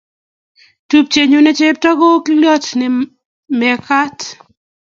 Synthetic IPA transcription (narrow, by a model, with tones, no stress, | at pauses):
tu˦p̚t͡ʃe˨ɲo˦ne˦t͡ʃe˦p̚ta˦kɔ˦klɔ˦tnɪ˨ | mɛ˨ka˦t